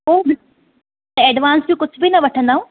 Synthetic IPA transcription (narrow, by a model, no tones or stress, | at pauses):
oːbɪ | t̪ɐ̃ɛːɖʋaːnsbĩkʊd͡ʑʱbʱinɐʋɐʈʰə̃nd̪aːũː